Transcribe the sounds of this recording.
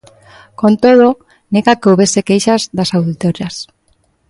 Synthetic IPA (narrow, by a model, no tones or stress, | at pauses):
kont̪oð̞o | neɣakeowβesekejʃazðasawðit̪oɾjas